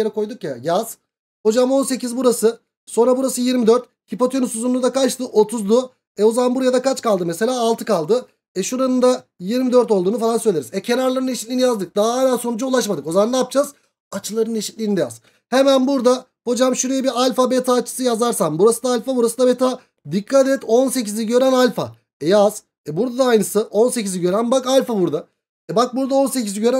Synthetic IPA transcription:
eɾɛko̞jd̪ukjajaz̥ | ho̞d͡ʒamo̞nse̞cizbuɾasɯ | so̞nɾabuɾasɯjiɾmid̪øɾt̪̚ | cipot̪ʰonusuzunud̪akat͡ʃt̪ʰɯʔo̞t̪ʰuzd̪u | ɛo̞zaanbuɾajad̪akʰat͡ʃkalˠd̪ɯmeselʲaːlˠt̪ʰɯkʰalˠd̪ɯ | ɛʃuɾanɯnd̪ajiɾmid̪øɾt̪o̞lˠd̪uːnufalˠansølʲeɾizɛcʰe̞naɾlˠaɾɯneʃit̪lʲiːnijazd̪ɯk̚d̪aɦaɦemænso̞nud͡ʒaulˠaʃmad̪ɯko̞zamand̪aːp̚d͡ʒaz | at͡ʃʰɯlˠaɾɯneʃit̪lʲiːnid̪ɛja̰z | he̞mænbuɾd̪a | ho̞d͡ʒamʃuɾejɛbiɾalʲfabet̪ʰaːt͡ʃʰɯ̥sɯjazaɾsambuɾasɯnd̪aːlʲfabuɾasɯnabet̪ʰa | d̪ikʰːat̪̬ɛt̪o̞nse̞cizlʲiɟø̞ɾænalʲfa̰ | ɛjaz̥ | ɛbuɾd̪ad̪aːjnɯsɯʔo̞nse̞cizʲiɟø̞ɾænbakalʲfabuɾd̪a | ɛbak̚buɾd̪ao̞nseciziɟø̞ɾæ

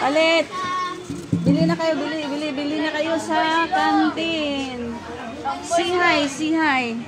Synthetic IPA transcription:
palɛt̪̚ | bɪlinɐkɐjobɪlɪbɪlibɪlinɐkɐjo̞sɐkant̪ɪn | siɦajsiɦaj

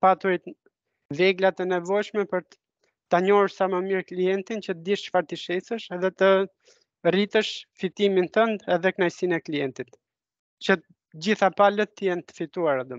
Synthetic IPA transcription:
pat̪ɔjt̪ | vɛɡlat̪ɛnɛvɔjʃmɛpəɾt̪ | t̪aɲɔɾuɾsaməmiɾkliɛnt̪int͡ɕət̪əd̪iʃt͡ʃfaɾt̪iʃɛsəʃɛðɛt̪ə | rit̪əʃfit̪iminθənd̪ɛðɛknajsinɛklijɛnt̪it̪ | t͡ɕə | d͡ʑiθapalət̪ːəjɛnt̪ə̥fit̪uaɾad̪ɔ

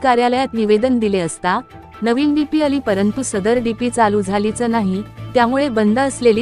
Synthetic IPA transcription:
kaɾjaləjat̪niʋed̪ənd̪ileəst̪a | nəʋiːnɖipiːəliːpəɾənt̪usəd̪əɾɖipiːt͡saluːd͡zʱalit͡sənaɦit̪jamuɭebənd̪ʱəːslelː

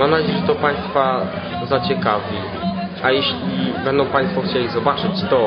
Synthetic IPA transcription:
mamnad͡ʑejɛʐɛt̪ɔpaj̃st̪fa | zat͡ɕɛkavʲi | ajɛɕlʲibɛnd̪ɔ̃w̃paj̃st̪fɔxt͡ɕelʲizɔbat͡ʂɘt͡ɕt̪ɔ

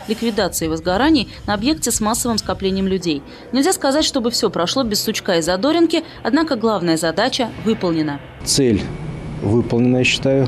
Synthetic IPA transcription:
lʲɪkvʲɪd̪at̪sɨɪvəzɡɐɾanʲɪjnəɐbje̞k̚tʲɪsmasːəvɨmskɐplʲenʲɪjəmlʲʉdʲej | nʲɪlʲzʲaskɐzatʲʂt̪o̞bɨfsʲo̞pɾɐʂlˠobʲɪsʊt͡ɕkaɪzɐd̪o̞ɾʲɪnkʲɪ | ɐd̪nakəɡlˠavnəjəzɐd̪at͡ɕəvɨpəlˠnʲɪnə | t̪sɛlʲvɨpəlˠnʲɪnəjɕːɪ̥t̪ajʊ

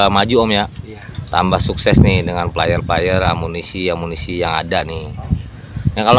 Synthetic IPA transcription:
mad͡ʒuɔmja | t̪a̰mbahsuksɛsnɪhdəŋanpəlajarplajəra̰munisiamunisijaŋa̰danɪh | jaŋkal

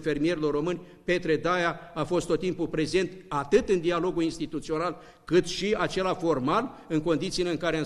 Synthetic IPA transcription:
fe̞rmije̞ɾilo̞rːo̞mɨnʲ | pe̞t̪ɾe̞d̪ajaafo̞st̪o̞t̪ːimpupɾe̞ze̞nt̪at̪ɨt̪ɨnd̪ialo̞ɡuinst̪it̪ut̪sio̞nal | kɨt̪ʃiat͡ʃe̞lafo̞rmalɨŋko̞nd̪it̪sile̞ɨŋkaɾea

